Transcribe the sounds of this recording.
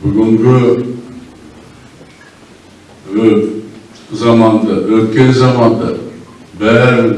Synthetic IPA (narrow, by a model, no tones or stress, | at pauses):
bʏɡʏŋɡʲɪ | ø | zɑmɑnd̪ɑwølkʲenzɑmɑnd̪ɑbæɾɪ